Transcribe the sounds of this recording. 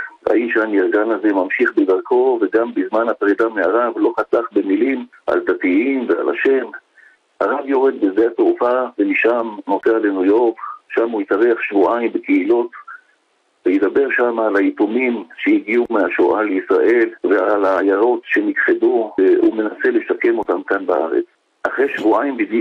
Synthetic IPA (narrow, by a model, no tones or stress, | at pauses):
a̰imʃaniʁɡanaze̞mamʃiχbed̪aʁkʰo̞veɡambizmanhapʁid̪ameaʁavlo̞χataχbe̞milim | ʔa̰ld̪atiimvea̰la̰ʃe̞m | ha̰ʁavjo̞ʁe̞d̪̚bezeat̪ʁufavemiʃamno̞tealenujo̞ʁkʃamuitaʁeaχʃvuʔaimbekeilo̞t | vejed̪abe̞ʁʃamaːlajitumimʃeiɡiumeaʃoʔaleisʁaʔe̞lvealaːjaʁo̞t̪ʃe̞nikχeduume̞nase̞le̞ʃake̞mo̞t̪amkanbaʔa̰ʁḛt͡s | ʔaχʁejʃvuaimbid